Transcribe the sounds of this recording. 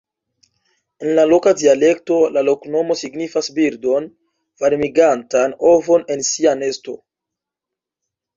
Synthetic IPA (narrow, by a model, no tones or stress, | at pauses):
e̞nlalo̞kadiale̞kto̞lalo̞kno̞mo̞siɡnifasbiɾdo̞n | v̥aɾmiɡantano̞vo̞ne̞nsiane̞sto̞